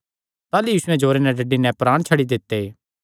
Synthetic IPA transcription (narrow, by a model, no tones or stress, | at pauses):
t̪aːlujiːsʊɛ̃d͡ʒoːɾenɛɖɐɖːinɛ̃pɾaːɽ̃t͡ʃʰɐɽid̪ɪt̪ːe